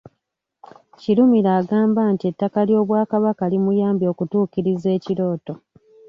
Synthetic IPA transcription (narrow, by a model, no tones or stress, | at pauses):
ciɾumiɾaːɡaːmbaːntie̞tːakaljo̞ːβwaːkaβakalimujaːmbjo̞ːkutuːkiɾize̞ːciɾo̞ːto̞